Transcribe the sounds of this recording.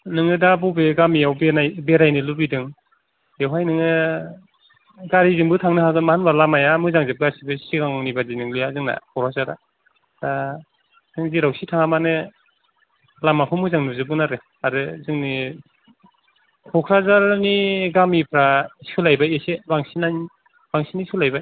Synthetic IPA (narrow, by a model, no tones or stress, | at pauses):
nɯŋɯdabubeɡamijawbenajbeɾajnilubidɯŋ | ewɦajnɯŋɯ | ɡaɾizɯŋbɯtʰaŋnɯɦaɡɯnmahanbalamajamɯzaŋzep̚ɡasibɯsiɡaŋŋnibazinɯŋlujazɯŋna̰kʰɔɾʰazaɾa̰ | da | z̥ɯŋziɾawsitʰaŋamanɯ | lamapʰɯmɯzaŋnuzɯbɯnaɾɯ | aɾɯzɯŋni | kʰɔkʰɾazaɾniɡamipʰɾaskʰɯlajbaesebaŋsinaj | b̥aŋsiniskʰɯlajbaj